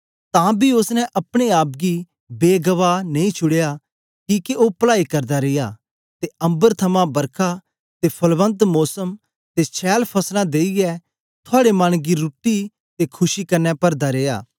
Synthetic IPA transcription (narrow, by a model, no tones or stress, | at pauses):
t̪ãːbʱiʊsnɛ̃ʔɐpɽ̃eaːp̚ɡi | beːɡəʋaːnɐĩt͡ʃʰʊɽeja | kiːkeopəlaːikɐɾd̪aɾejaː | t̪eɐ̃mbəɾt̪ʰɐmãbɐɾkʰa | t̪epʰɐlʋə̃nt̪mɔːsəm | t̪et͡ʃʰɛːlpʰɐslãd̪eːijɛ | t̪ʰʊaːɽemɐɽ̃ɡiɾʊʈːi | t̪ekʰʊʃikɐnːɛpɐɾd̪aɾeːja̰ː